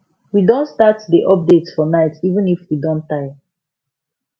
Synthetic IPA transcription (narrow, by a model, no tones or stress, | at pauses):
widõntstatdiʔɔp̚detsfɔnaɪtivə̃nifwidɔ̃ntaɪ